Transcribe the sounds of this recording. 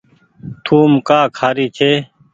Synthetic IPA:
t̪ʰuːmkaːkʰaːɾiːt͡ʃʰeː

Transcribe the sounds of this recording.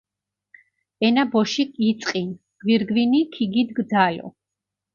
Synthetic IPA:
ɛnabɔʃikʼit̪sʼqʼin | ɡ̥wiɾɡvinikʰiɡid̪ɡd̪zalɔ̰

